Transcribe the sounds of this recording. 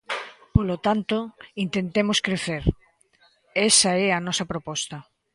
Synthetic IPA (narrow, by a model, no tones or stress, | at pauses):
polot̪ant̪oint̪ent̪emoskɾeθeɾ | ɛsɐɛɐnɔsɐpɾopɔst̪ɐ